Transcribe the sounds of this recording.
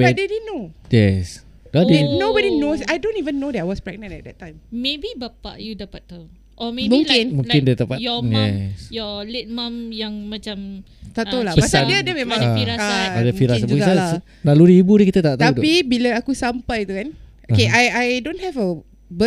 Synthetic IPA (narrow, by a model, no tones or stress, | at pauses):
badedinojɛs | ɡadinobɔdinosajdõnivənːodɛtawɔspɹɛɡ̚nãnɛ̰t̚dɛtːãjmmebibapa̰ʔjudapat̪̚ːa | ʔɔmemũŋkɪ̃nmũŋɪndət̪apajɔmjɛsjɔlɪt̪̚mãmjaŋmãt͡ʃam | t̪aʔ̪awlabpəasandiaadəmẽmãŋiaadəfiɾassabukisaa | naludiibudəkit̪at̪aʔt̪aaupibilaakusampajt̪ukanʔokeajajdõnhɛvə | bə